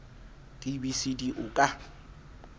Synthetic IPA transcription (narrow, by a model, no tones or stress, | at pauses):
d̥ibisidiʔʊkʼa